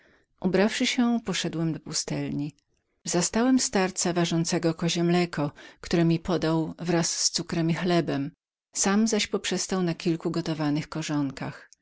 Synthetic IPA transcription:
ʔubɾafʂɘɕɛpɔʂɛd̪wɛmd̪ɔpust̪ɛlɲi | zast̪awɛmst̪aɾt̪savaʐɔnt̪sɛɡɔkɔʑɛmlɛkʰɔkt̪uɾɛmʲipɔd̪awvɾasːt̪sukɾɛmʲixlɛbɛm | samzaɕpɔpʂɛst̪awnakʲilkuɡɔt̪ɔvanɘxkɔʐɔŋka̰x

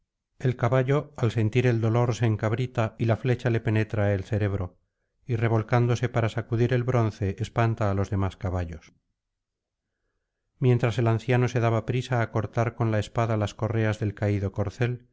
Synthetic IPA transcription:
e̞lkaβaʎo̞alse̞nt̪iɾe̞ld̪o̞lo̞ɾseːŋkaβ̞ɾit̪ailafle̞t͡ʃale̞pe̞ne̞t̪ɾaelse̞ɾe̞βɾo̞ | ire̞βo̞lkand̪o̞se̞paɾasakuðiɾe̞lβɾo̞nθe̞ʔːspant̪aːlo̞zðe̞maskaβaʎo̞s | mje̞nt̪ɾase̞lanθjano̞se̞ðaβapɾisaːko̞ɾt̪aɾko̞nlaespaðalasko̞re̞azðe̞lkaiðoko̞ɾθe̞l

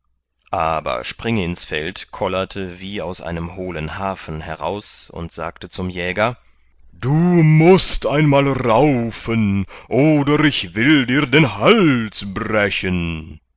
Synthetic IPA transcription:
ʔa̰ːbɐ̰ʃpʁ̥ɪŋɪnsfɛ̰ltkʰɔlɐtʰəviːaʊsʔa̰ɪnəmhoːlənhaːfn̩ɦɛʁa̰ʊsʊ̰ntz̥a̰ːktət͡sʊmjɛːɡɐ | d̥uːmʊstʔaɪnmaːlʁaʊfənʔoːdɐɪçv̥ɪldiːɐdeːnhalsbʁɛçən

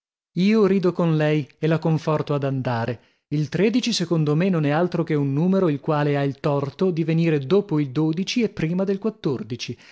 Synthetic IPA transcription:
iːoɾiːd̪okonlɛjelakoɱfɔrt̪oad̪and̪aːɾe | ilt̪ɾed̪it͡ʃisekond̪omenːonɛalt̪ɾok̟eunːuːmeɾoilkwaːleailt̪ɔrt̪od̪iveniːɾed̪oːpoild̪oːd̪it͡ʃiepːɾiːmad̪elkwat̪ːord̪it͡ʃi

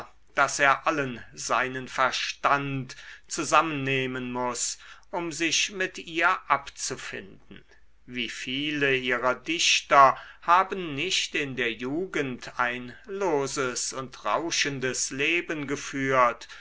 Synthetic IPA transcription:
d̥aseːɐʔalənzaɪnənfɛɐʃtantt͡suzamənːeːmənmʊsʔʊmzɪçmɪtiːɐʔapt͡sufɪ̰ndn̩ | viːfiːləʔiːʁɐdɪçtɐhaːbən̩ːɪçtɪndeːɐjuːɡəntʰaɪnloːzəsʊntʁaʊʃəndəsleːbənɡəfyːɐt

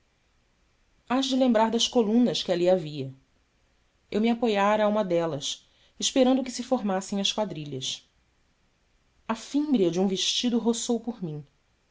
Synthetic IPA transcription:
aʃd͡ʒɪlẽmbɾaɾd̪ɐskolũnɐskɪaliaviɐ | ewmiapojaɾɐːũmɐd̪ɛlɐs | ɪʃpeɾɐ̃nd̪ʊkɪsɪfoɾmasẽj̃ɐskwad̪ɾiʎɐs | ɐfĩmbɾiɐd͡ʒɪũveʃt͡ʃid̪ʊɦosowpʊɾmĩ

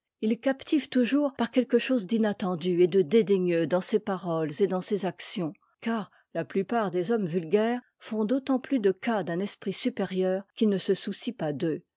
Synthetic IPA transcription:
ilkapt̪ʰivt̪uʒuːʁpaʁkʲɛlkəʃozd̪inat̪ɑ̃d̪yed̪əd̪ed̪eɲød̪ɑ̃sepaʁɔlzed̪ɑ̃sezaksjɔ̃ | kaːʁ | laplypaʁd̪ezɔmvylɡʲɛːʁ | fɔ̃d̪ot̪ɑ̃plyd̪əkad̪ɛ̃nɛspχisypeʁjœːʁkʲilnəsəsusipad̪ø

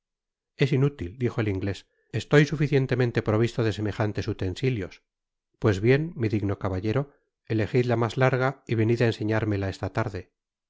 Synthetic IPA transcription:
e̞sinut̪ild̪ixo̞eliŋɡle̞s | est̪ojsufiθje̞nt̪e̞mẽnt̪e̞pɾo̞β̞ist̪oðe̞se̞me̞xant̪e̞sut̪e̞nsiljo̞s | pwe̞zβje̞nmiðiɣno̞kaβaʎe̞ɾo̞ | e̞le̞xiðlamazlaɾɣaiβe̞niðaense̞ɲaɾme̞lae̞st̪at̪aɾðe̞

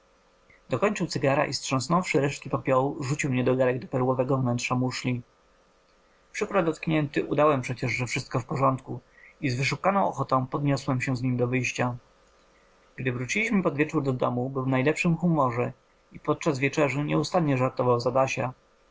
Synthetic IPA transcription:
d̪ɔkɔɲt͡ʂɘwt̪sɘɡaɾa̰ʔistʂɔ̃snɔ̃w̃fʂɘɾɛʂt̪̚kʲipapʲjɔwuʐut͡ɕiwmɲɛd̪ɔɡaɾɛɡ̚d̪ɔpɛɾwɔvɛɡɔvnɛntʂamuʂlʲi | pʂɘkɾɔd̪ɔt̪kɲɛnt̪ɘʔṵd̪awɛmpʂɛt͡ɕɛʐʐɛfʂɘst̪̚kɔfpɔʐɔnt̪ku | izvɘʂukanɔ̃w̃ɔ̰xɔt̪ɔ̃w̃pɔd̪ɲɔswɛmɕɛzɲimd̪ɔvɘjɕt͡ɕa | ɡ̥d̪ɘvɾut͡ɕilʲiɕmɘpɔd̪vʲjɛt͡ʂuɾd̪ɔd̪ɔmubɘwvnajlɛpʂɘmxumɔʐɛ | ipɔt̪̚t͡ʂazvʲjɛt͡ʂɛʐɘɲɛust̪anɲɛʐaɾt̪ɔvawzad̪aɕa

